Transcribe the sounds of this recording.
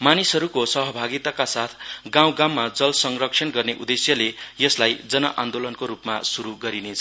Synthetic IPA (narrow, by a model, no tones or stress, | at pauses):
manisɦʌɾukosʌɦʌbʱaɡit̪akasat̪ʰɡãw̃ɡãwmːad͡zʌlsʌŋrʌksʰʌnɡʌrneʔud̪esjʌlejʌslajd͡zʌnʌ̰ʔand̪olʌnkoɾupma̰suɾuɡʌɾinet͡sʰʌ